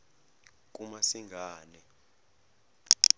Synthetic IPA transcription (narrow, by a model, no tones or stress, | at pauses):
k̬ʼumasiŋɡʱaːnɛ